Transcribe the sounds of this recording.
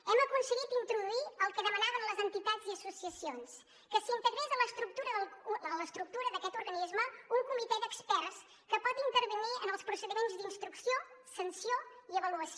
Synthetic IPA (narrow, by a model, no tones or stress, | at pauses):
ɛməkunsəɣit̪int̪ɾuðuiəlˠkəðəmənaβənləzənt̪it̪aziəsusiəsions | kəsint̪əɣɾɛzələst̪ɾuk̚t̪uɾəðəlˠələst̪ɾuk̚t̪uɾəðəkɛt̪uɾɣənizməuŋkumit̪ɛd̪əkspɛrs | kəpɔt̪int̪əɾβəniənəlˠspɾusəðimenzd̪inst̪ɾuksiosənsioiəβəluəs